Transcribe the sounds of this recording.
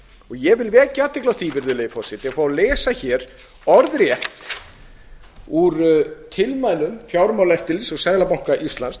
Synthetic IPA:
ɔɣjɛvɪlvɛːcat̪ːɪklawθiːvɪɾðʏleːjɪfɔsɪt̪ʰɛjafaːwlɛːsaçɛɾ | ɔɾðɾjɛht̪ | uɾt̪ʰɪlmaːjlʏmfjawɾmawlɛft̪ɪlsɔɣsajðlapawŋ̥kaʔist̪lans

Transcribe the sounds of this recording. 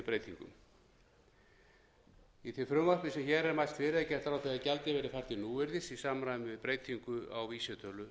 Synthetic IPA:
pɾejt̪ʰiŋkʏ̰m | iθɪfɾʏmvar̥pɪsɛmçɛːɾɛɾmajlst̪fɪːɾɪðacɛr̥t̪ɾawθɛðacɛlt̪ɪvɛːɾɪfaj̥t̪ɪnuːɪɾðɪsisaːmɾanvɪðpɾeːjt̪ʰiŋkʏa̰wviːsɛt̪ʰœlʏ

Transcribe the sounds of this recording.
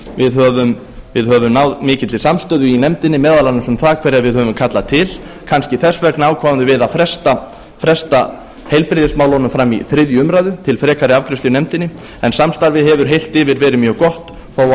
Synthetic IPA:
vɪðɦœvʏm | vɪðɦœvʏmnaːwðmɪːcɪt̪lɪsamst̪œːðʏinɛmt̪ɪnɪmɛːðalanʏsʏmθaːkʰvɛːɾjaɾvɪðhœːvʏmkʰat̪lat̪ʰɪl | kʰanscɪθɛsːvɛknaːwkʰvaːvant̪ʏvɪðafɾɛst̪a | fɾɛst̪a | hejlpɾɪðɪsmaːwlɔnʏmfɾamːḭθɾɪðjʏʏmɾajðʏt̪ʰɪlfɾɛːkaɾɪavkɾɪsʏnɛmt̪ɪnːɪ | ɛnsamst̪aɾvɪðhɛvʏɾ̥ɦejl̥t̪ɪvɪɾvɛːɾɪmjœːɣkɔht̪ | θaːwa

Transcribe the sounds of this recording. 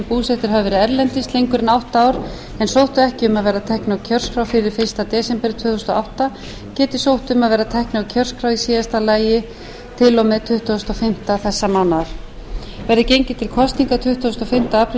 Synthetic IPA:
mpuːsɛht̪ɪɾ̥ɦavɪvɛːɾɪɛɾlɛnt̪ɪst̪lejŋkʏɾɪnawht̪aaːwɾ | ɛnsowht̪ʏɛhcɪʏmaðvɛːɾat̪ʰɛhknacʰœr̥skɾawfɪɾɪɾ̥fɪɾ̥st̪at̪ɛːsɛmpɛɾt̪ʰvœːθust̪ɔawht̪a | cɛːt̪ɪsowht̪ʏmaðvɛːɾat̪ʰɛhknɪawcʰœr̥skɾawisiːðast̪alaːjɪ | t̪ʰɪlɔmɛt̪ʰʏht̪uʏst̪ɔfɪm̥t̪aθɛsːamawnːaɾ̥ | vɛɾðɪcejɲcɪt̪ʰɪlkʰɔst̪niŋkat̪ʰʏht̪ːʏst̪ɔfɪm̥t̪aaːpʰɾ

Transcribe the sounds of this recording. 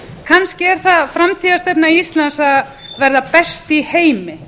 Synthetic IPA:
kʰanscɪɛɾ̥θaðfɾamt̪ʰiːðast̪ɛpnaiist̪lansa | vɛɾðapɛst̪iheːjmɪ

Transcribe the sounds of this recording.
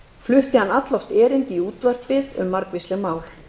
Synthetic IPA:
flʏht̪ɪhanat̪lɔft̪ɛːɾɪnt̪iuːt̪var̥pɪðʏmːaɾkvɪst̪lɪmaːwl̥

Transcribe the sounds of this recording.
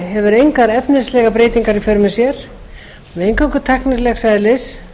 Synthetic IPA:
ɦɛvʏɾejŋkaɾɛpnɪslɛɣapɾeːjt̪iŋkaɾifʏɾʏmɪsjɛɾ̥ | nejŋkaŋkʏɾt̪ʰaknɪɾlɛɣsajðɪlɪs

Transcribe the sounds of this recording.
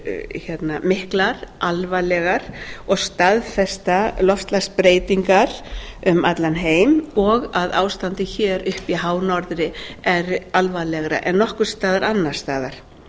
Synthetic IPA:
çɛt̪namɪhklaɾ̥ʔalvalɛɣaɾ̥ɔɣst̪aðfɛst̪alɔft̪laɣspɾeːjt̪iŋkaɾʏmat̪lanɦeːjmɔɣaðaːwst̪ant̪ɪçɛːɾʏhpiɦaːwnɔɾðɾɪɛɾalvalɛɣɾa̰ʔɛnːɔhkʏɾ̥st̪aːðaɾanːaɾ̥st̪aːðaɾ̥

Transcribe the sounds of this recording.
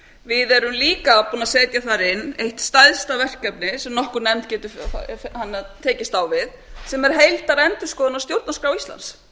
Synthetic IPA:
vɪðɛɾʏmliːkapuːnaðsɛːt̪jaθaɾɪnːejht̪st̪ajðst̪avɛr̥kːɛpnɪsɛmnɔhkʏɾnɛmt̪̚cɛːt̪ʏfhanːat̪ʰɛːcɪst̪awvɪð | sɛmɛɾ̥ɦejlt̪aɾɛnt̪ʏɾskɔːðʏnawst̪jowlt̪naskɾawisla̰ns

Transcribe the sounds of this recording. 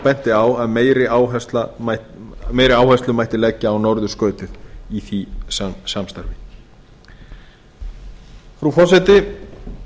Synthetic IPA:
pɛn̥t̪ɪawaðmeːjɾɪaːwɦɛst̪la | meːjɾɪaːwhɛst̪lʏmajt̪ɪlɛcːaːwnɔɾðʏskœːɥt̪ʏðiθissamst̪aɾvɪ | fɾufɔr̥sɛt̪ɪ

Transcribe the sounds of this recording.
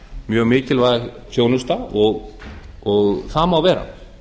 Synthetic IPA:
mjœːɣmɪːcɪlvaːɪsjownʏst̪aɔɣ | ɔɣθaːmawvɛːɾa̰

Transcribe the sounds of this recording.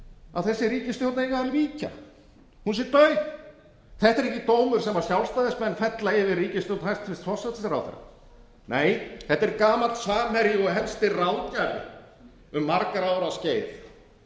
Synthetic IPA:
aðθɛsːɪɾiːcɪst̪jowt̪naeɣaamɾiːca̰ | hunsjɛɾt̪œːɥθ | θɛht̪ɛɾɛcːɪt̪oːwmʏɾ̥sɛmaɾ̥sjawlst̪aːðɪsmɛnːfɛt̪laɪvɪriːcɪst̪owt̪nhajst̪fɪst̪fɔrsat̪ɪsɾa̰wθḛɾːa̰ | neːjθɛht̪ːɛɾkaːmat̪svaːmɛɾjɪɔɦɛlst̪ɪrawcaɾɪ̰ | ʏmːaɾkaɾawɾasceːjθ

